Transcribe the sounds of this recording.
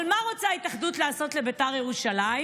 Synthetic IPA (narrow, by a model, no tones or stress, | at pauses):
lmaʁot͡saitaχdutlaːso̞tle̞betaʁjeʁuʃalai